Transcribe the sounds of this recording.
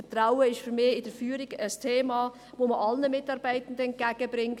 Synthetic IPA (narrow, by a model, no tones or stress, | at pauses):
fətraʊəɪʃfymɪːɪd̥əfyːɾɪɡəstʰeːmɑː | voːməʔɑlnəmɪtɑɾb̥æɪtən̩dəɛnt̚ɡ̥æɡ̥əbɾɪŋ